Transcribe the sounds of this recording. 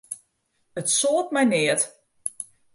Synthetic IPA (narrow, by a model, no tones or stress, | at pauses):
ətsoːt̚mɛjnɪət